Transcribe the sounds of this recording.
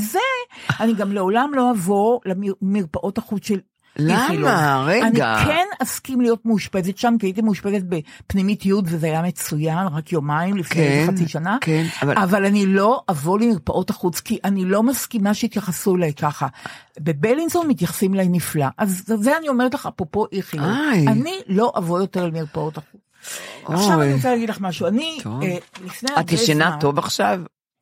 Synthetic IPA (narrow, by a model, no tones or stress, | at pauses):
zeaniɡamle̞o̞lamlo̞avoleimiʁpaʔo̞taχut͡sʃel | iʁanikʰe̞naskimlijo̞tmeuʃpe̞zetʃamkiait̬imeuʃpezet̚bepnimitjudvezeajame̞t͡sujanʁakjomaimlifkneχat͡siʃanakenvavalanilo̞ʔavolemiʁpaʔo̞taχut͡skiʔanilo̞maskimaʃeit̪jaχasulajkaχabe̞belinzonmit̪jaχḁsimlajniflaʔazzeanio̞me̞ʁetlaχapʁopo̞ʔiχijanilo̞ʔavojo̞teʁalemiʁpao̞taχut͡saʃavaniʁot͡salaːɡidlaχmaʃuanielifnejaatiʃenatovaχʃav